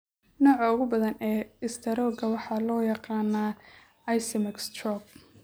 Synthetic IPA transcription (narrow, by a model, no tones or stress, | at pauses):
nɔːʕɑʊɣʊbɐðɐnɛːɪst̪ʰɐɾɔːɡɐwɑħɑːlɔːjɑqɑːnaː | ɐjsɛmɪkst̪rɔb̚